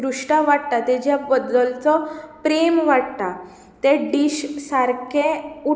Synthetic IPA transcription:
ɾuʂʈaʋaɽt̪at̪ɛd͡ʑjabəd̪əlt͡sɔpɾemʋaɽt̪a | t̪eɖiɕsaɾkʰeu

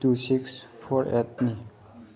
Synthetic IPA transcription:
tusɪksfɔɾɛt̪̚ni

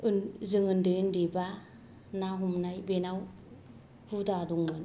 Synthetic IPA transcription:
ɯnzɯŋɯndɯɯndiba | naɦumnajbenaw | hudaduŋmɯn

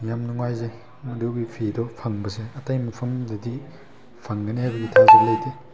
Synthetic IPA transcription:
ŋijamnuŋwajze | mɐduwɡipʰedɔpʰaŋbɐseɐtajmɐpʰɐmdɐdi | pʰaŋɡɐnehajbɐɡitʰazeblɐjte

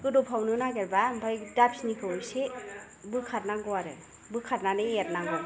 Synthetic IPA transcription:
kɯdupʰawnɯnaɡeɾbambʱajdapsnikʰɯwse | bɯkʰat̚naŋɡɔwaɾɯ | bɯkʰatnanɯjet̚naŋɡɔɾ

